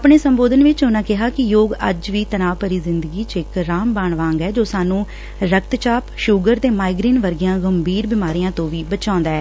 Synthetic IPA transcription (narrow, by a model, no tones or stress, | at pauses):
pɳeːsəmboːd̪ənʋɪt͡ʃɦonãːkɪɦaːkɪjoːɡə̰d͡ʒʋiːt̪ənaːʋpəɾiːzɪnd̪əɡiːt͡ʃɪkɾaːmbaːɳʋãːŋɡɛːd͡ʒoːsaːnũː | ɾək̚t̪t͡ʃaːpʃʊɡəɾt̪eːmaːɪɡɾiːnʋəɾɡɪjãːɡəmbʱiːɾbɪmaːɾijãːt̪õːʋiːbət͡ʃãːnd̪aːɛː